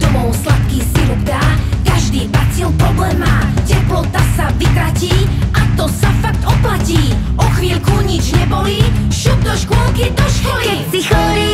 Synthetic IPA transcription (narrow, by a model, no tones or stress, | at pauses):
d̪̥ɔmɔʊslat̪kisiɾubd̪aːkaʒd̪iːbat͡silpɾɔblɛːmaːcɛplɔt̪asavik̪ɾaciːʔat̪ɔsafakt̪ɔplaciː | ɔxʋiːlkuɲid͡ʒɲɛbɔliʃud̚d̪ɔʃkɔlkid̪ɔʃkɔli | iɔɾi